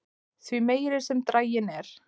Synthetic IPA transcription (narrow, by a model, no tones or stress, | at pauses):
θvimeːjɾɪɾ̥sɛmt̪ɾaːjɪnɛɾ̥